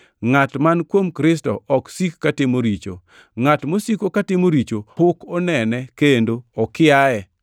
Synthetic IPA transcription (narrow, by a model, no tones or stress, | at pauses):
ŋatmankwomkɾɪstɔɔksikːatɪmoɾit͡ʃo̰ | ŋatmosikokatɪmoɾit͡ʃoʊkɔnɛnɛkendoɔkɪaɛ